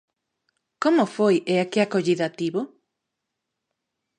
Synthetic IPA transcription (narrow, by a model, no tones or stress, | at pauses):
komʊfojeakeakoʎiðat̪iβo